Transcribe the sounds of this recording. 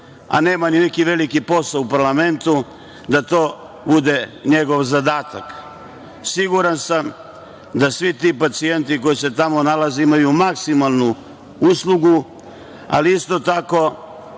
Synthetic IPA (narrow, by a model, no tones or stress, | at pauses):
a̰ne̞ːmanine̞kiʋe̞likipo̞saupaɾlame̞nt̪u | d̪at̪oː | bud̪e̞ɲe̞ɡo̞ʋzad̪aːt̪a̰k | siɡuɾansam | d̪asʋit̪ipat̪sije̞nt̪iko̞jise̞t̪amo̞nalazeimajumaksimalˠnu | uslˠuɡu | a̰liist̪o̞t̪ako̞